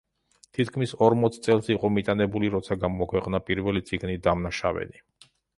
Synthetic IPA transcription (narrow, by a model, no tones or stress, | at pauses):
t̪ʰit̪ʰkʰmisɔɾmɔt̪sʰt̪sʼɛlˠsiqʼɔmit̪ʼanɛbuliɾɔt̪sʰaɡamɔakʰwɛqʼnapʼiɾvɛlit̪sʼiɡnid̪amnaʃavɛ̰ni